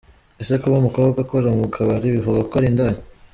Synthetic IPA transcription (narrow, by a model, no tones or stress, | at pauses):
esekuβumukoβbɡaɡakoɾamukʰaβaɾiβivuɡakoɾindaɲi